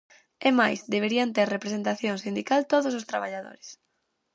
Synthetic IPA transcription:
emajsd̪eβeɾiant̪eɾrepɾesent̪aθjoŋsind̪ikalt̪oðʊs̬ʊst̪ɾaβaʎaðo̰ɾɪs

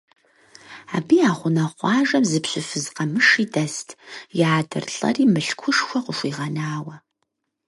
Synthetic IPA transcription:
aːbiːaːχʷʊnɐqʷɑːʒɐmzɨpɕʷɪfɨzqɐmɨʂiːdɐstʰjaːdɨ̰rɬʼɐ̰riːmɨɬkʷʰʊʂxʷɔqʷʊʃʷiːʁɐnaːwɐ

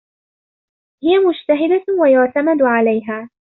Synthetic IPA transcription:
hɪjamʊd͡ʒt̪aɦɪd̪awajʊʕt̪amad̪ʕalajɦaː

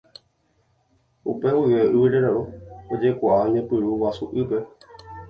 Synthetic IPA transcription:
upewɨʋeʔɨʋiɾeɾaɾuod͡ʒe̞kʷaʔaɲẽpɨɾuwasuʔɨpe̞

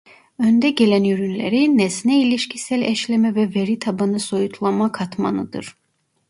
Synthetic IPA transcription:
ønd̪ɛɟelænjyɾynleɾinɛsnɛiliʃcʰisælʲɛʃlʲɛmɛvɛveɾit̪ʰabanɯso̞jut̪ʰlˠamakʰat̪ʰma̰nɯd̪ɯ̰ɾ̥

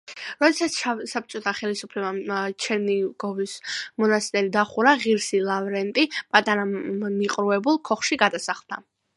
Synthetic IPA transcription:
ɾɔd̪ɛsat̪sʰsap̚t͡ʃʼɔt̪ʰaχɛlisupʰlɛbat͡ʃʰɛniɡɔvismɔnast̪ʼɛɾid̪aχuɾaʁiɾsilˠavɾɛnt̪ʼipʼat̪ʼaɾamiqʼɾuɛbulˠkʰɔχʃiɡad̪asaχlˠd̪a

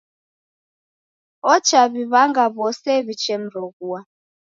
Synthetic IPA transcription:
ɔt͡ʃaβiβaŋɡaβɔsɛβit͡ʃɛm̩ɾɔɡua

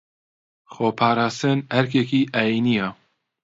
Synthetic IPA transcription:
xoːpʰaːɾaːst̪ɨnhɛɾkekiːʔaːjinija

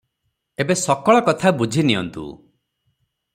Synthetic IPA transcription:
ebesɔkɔɭɔkɔt̪ʰabud͡ʒʱiniɔ̰nt̪ṵ

